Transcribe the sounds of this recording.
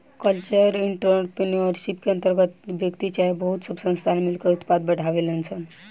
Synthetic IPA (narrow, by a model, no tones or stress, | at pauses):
kəlt͡ɕəɾiɳʈɾpiniəɾʃipkeənt̪əɾɡət̪ʋjəkt̪it͡ɕabəɦut̪subsə̃nst̪ʰanmilkəɾut̪pad̪̚bəɽ̤ʱaʋelənsən